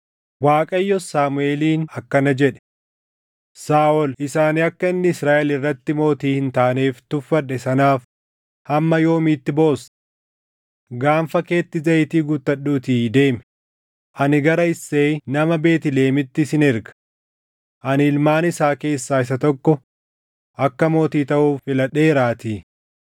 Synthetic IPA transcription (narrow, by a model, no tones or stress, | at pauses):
waːkʼɐjːɔsaːmʊe̞ːliːnɐkːɐnɐd͡ʒɛᶑɛ̥ | saːʔɔlɪsaːnɪɐkːɐɪnːɪɪsɾaːʔɛlɪrːɐt̪ːɪmo̞ːt̪iːhɪnt̪aːneːft̪ʊfːɐᶑɛsɐnaːf | hɐmːɐjo̞ːmiːt̪ːɪbo̞ːs | ɡaːnfɐke̞ːt̪ːɪzɐjɪt̪iːɡʊt̪ːɐɗːuːt̪iːd̪e̞ːmɛ | ʔɐnɪɡɐɾɐɪsːe̞ːnɐmɐbe̞ːt̪ɪle̞ːmɪt̪ːɪsɪnɪɾɡɐ̥ | ʔɐnɪɪlmaːnɪsaːke̞ːsːaːɪs̬ɐt̪ɔkːɔ | ʔɐkːɐmo̞ːt̪iːt̪ɐʔuːfɪlɐᶑeːɾaːt̪iː